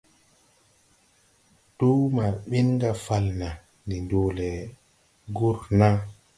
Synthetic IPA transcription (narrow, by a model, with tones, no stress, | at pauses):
tu˦ma˨ɓi˦nŋɡa˨fa˨lna˨ | ndi˨ndoː˨lɛ˨ | ɡu˦ɾna˦